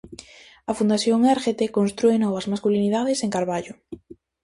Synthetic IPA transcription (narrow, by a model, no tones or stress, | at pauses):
ɐfund̪aθjoŋeɾxet̪ekonst̪ɾuenɔβɐzmaskuliniðað̞eseŋkaɾβaʎʊ